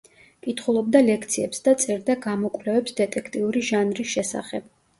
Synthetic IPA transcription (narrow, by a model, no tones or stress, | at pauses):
kʼit̪ʰχulˠɔb̚d̪alɛk̚ʰt̪sʰiɛpsd̪at̪sʼɛɾd̪aɡamɔkʼvlɛvɛpsd̪ɛt̪ʼɛkʰt̪ʼiuɾiʒanɾisʃɛsa̰χɛb̥